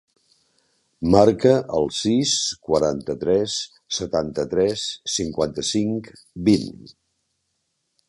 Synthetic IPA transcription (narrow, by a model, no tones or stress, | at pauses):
maɾkəʔəlˠsiskwəɾant̪ət̪ɾɛsː | ət̪ant̪ət̪ɾɛsːiŋkwant̪əsiŋk | bin